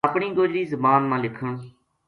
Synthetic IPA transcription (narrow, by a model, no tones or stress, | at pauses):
əpɳiːɡoːd͡ʒɾiːzəmaːnmãːlɪkʰəɳ